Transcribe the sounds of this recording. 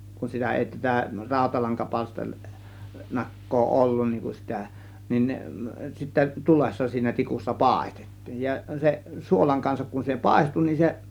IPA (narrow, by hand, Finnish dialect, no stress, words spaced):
kun sitæ eˑi tætæ rɑˑo̝tɑlɑŋkɑpɑlster nɑkːoː olːun niːŋ kun sitæ nin ne sitːæ tulesːɑ siːnæ tikusːɑ pɑˑe̝ste̥tːi̥ːj̊ jɑ se suolɑŋ kɑnsɑk kun se pɑˑe̝stu nin se